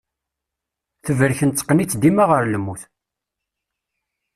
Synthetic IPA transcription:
θəvəɾçənt͡sːˤqːənit͡sːd̪imaʁəɾləmːuθ

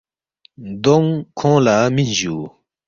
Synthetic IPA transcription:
d̪ɔŋkʰɔŋlamiʑu

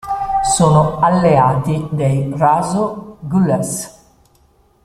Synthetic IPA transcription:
soːnoalːeaːt̪id̪ejrazoɡulɛs

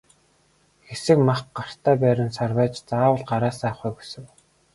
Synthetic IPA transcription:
xesɘ̆kmaχɢar̥t̪æːpæːɾʲɪ̆nsarwæːt͡ɕt͡saːwə̆ɮɢaɾaːsaːχuːɡusɘ̆ŋ

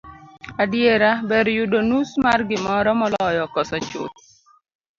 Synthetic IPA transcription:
adjeɾabɛɾjudonusmarɡɪmɔɾɔmɔlɔjɔkɔsɔt͡ʃʊ̰t̪

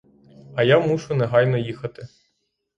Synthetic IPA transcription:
ɐjamuʃʊnɛɦɑjnɔjixɐt̪ɪ

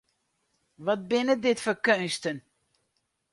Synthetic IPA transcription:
ʋɔt̚bɪnədɪtfəkønstən

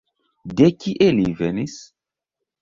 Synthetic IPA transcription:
dekiʔelivenis

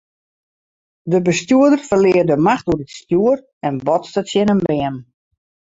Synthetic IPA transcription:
dəbəstjuədərfərlɪərdəmaxtuədətstjuər | ɛnbɔtstasjɪnənbɪəm

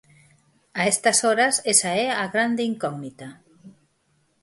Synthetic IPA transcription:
aest̪ɐsɔɾɐsesaɛaɣɾand̪eiŋkɔɡnit̪ɐ

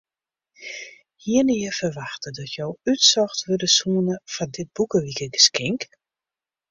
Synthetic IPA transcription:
hiənɪjəfərʋaxtədɔtʰjowytsɔxtʋødəsuənəfɔndɪt̚bukəʋikəɡəskɪŋk

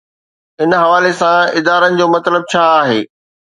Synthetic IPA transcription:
ɪnɦɐʋaːlesãɪd̪aːɾənɪ̆d͡ʑoːmɐt̪ləb̚t͡ɕʰaːaːɦeː

